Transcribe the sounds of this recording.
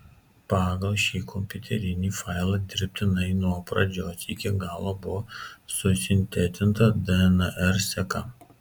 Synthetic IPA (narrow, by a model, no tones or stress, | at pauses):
pɑːɡɐlˠʃʲiːkʰɔmʲpʲʊt̪ʲɛɾʲɪnʲiːfɑˑɪlˠɐd̪ʲɪɾʲpʲt̪ʲɪnɐɪnuɔpɾɐd͡ʒʲoːsɪkʲɪɡɑːlˠoːbʊʋɔsʊsʲɪnʲt̪ʲɛt̪ʲɪnt̪ɐd̪ɐɛnɐʔɛɾsʲɛkɐ̰